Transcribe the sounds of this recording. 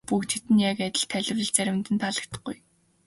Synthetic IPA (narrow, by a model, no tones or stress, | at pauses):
pukt͡ɕ̪ʰet̪ɘ̆njakæt̪ʲɪ̆ɬt̪ʰæɮɪ̆wrɘ̆ɮt͡sæɾʲɪ̆nt̪ɘ̆nt̪ʰaɮə̆k̚t̪ə̥̆χɡuj